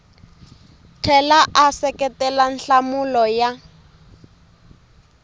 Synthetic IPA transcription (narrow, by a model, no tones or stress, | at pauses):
tʰɛlaʔasɛkɛtɛlan̩ɬamʊlɔja